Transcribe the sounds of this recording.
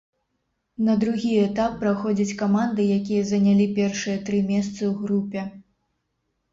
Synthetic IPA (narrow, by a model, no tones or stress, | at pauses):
nɐd̪ɾuɣʲiɛt̪apːɾaxɔd͡zʲɐt͡sʲkamand̪ɨjakʲijɐzɐnʲalʲipʲɛrʂɨjɐt̪ɾɨmʲɛst̪sɨwɣɾupʲɛ